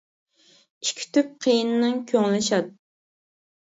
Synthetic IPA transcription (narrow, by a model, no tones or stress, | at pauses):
i̥ʃkʲʰy̥t̪yp̚qʰejinɪnɨŋkʲʰøŋlɪʃɑt̪̚